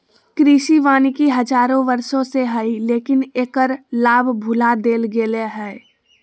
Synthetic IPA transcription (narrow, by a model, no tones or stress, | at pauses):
kɾiːʃiʋaːnikiɦəd͡ʒaːɾõʋəɾʃõseɦəileːkɪneːkəɾlaːbbʱʊlad̪eːlɡeːleɦɛː